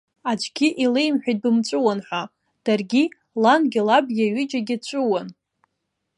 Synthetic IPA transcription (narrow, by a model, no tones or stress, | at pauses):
ad͡ʒʷɡʲiʔilejmħʷᶣajt̚bɨmt͡ʃʷʼʊwanħʷa | d̥arɡʲi | lanɡʲɪlab̚ɡʲaɥid͡ʒaɡʲɪt͡ʃʷʼɨwan